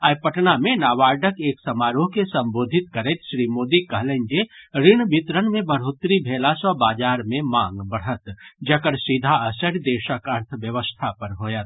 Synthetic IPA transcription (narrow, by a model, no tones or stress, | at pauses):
əjpəʈnamẽnaːʋaːɾɖəkeːksɐmaːɾoɦkesɐ̃mboːd̪ʱɪt̪kɐɾɛt̪ʃɾimoːd̪ikɐɦlend͡ʒeɾɪɳ̃bit̪ɾənmẽbəɽɦot̪ɾibʱeːlasəbaːd͡ʒaːɾmẽmãːŋɡbəɽ̤ət̪d͡ʒɐkəɾsid̪ʱaəsəɾd̪eːʃəkɐɾt̪ʰəʋjəʋəst̪ʰapɐɾɦoːjət̪